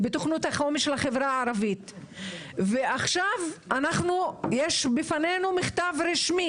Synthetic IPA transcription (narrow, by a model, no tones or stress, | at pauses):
bet̪oχnut̪haχomiʃelaχevɾaːɾavit̪ | veaχʃavʔanaχnujeʃbifanenumiχt̪avɾiʃmi